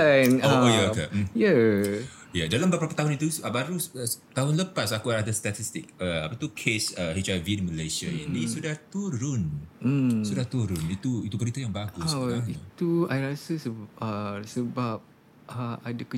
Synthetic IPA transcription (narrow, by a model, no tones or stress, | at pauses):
anoojakam̩ja | jadalambəpəɾapət̪aɦʊnit̪usabaɾuət̪aɦʊnləpasakuaadəst̪at̪ist̪ɪk̚əa̰pat̪ukʰesəhit͡ʃavidiməlesia̰janisudaht̪uɾʊn̩ | sudaht̪uɾʊnit̪uit̪ubəɾit̪əjaŋbaɡʊsit̪uajɾasəsəəsəbap̚ | əadak